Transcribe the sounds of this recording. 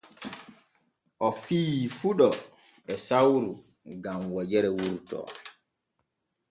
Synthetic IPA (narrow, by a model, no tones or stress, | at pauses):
ʔɔfiːifuɗɔ | ɛsawɾu | ɡamwɔd͡ʒɛɾɛwuɾtɔ̰